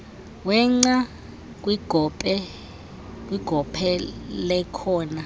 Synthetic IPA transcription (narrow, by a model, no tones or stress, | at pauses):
wɛŋ͡ǀa | k̬ʼwiɡ̥ʱɔpʼɛ | k̬ʼwiɡ̥ʱɔpʰɛlɛkʰɔːna